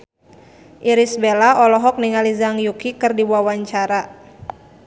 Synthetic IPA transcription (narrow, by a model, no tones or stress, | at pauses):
ʔiɾisbelaɔlɔɦɔk̚niŋalizaŋjukikɨrdiwuawaɲt͡ʃaɾa